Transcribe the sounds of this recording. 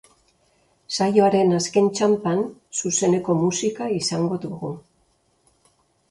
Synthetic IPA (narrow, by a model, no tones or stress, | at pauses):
sajo̞aɾe̞naske̞nt͡ʃampansuse̞ne̞ko̞musikaisaŋɡo̞ðuɣu